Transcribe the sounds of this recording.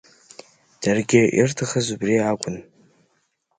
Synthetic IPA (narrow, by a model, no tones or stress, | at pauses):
d̥arɡʲɪḭrtʰaχazubriakʷʼʊn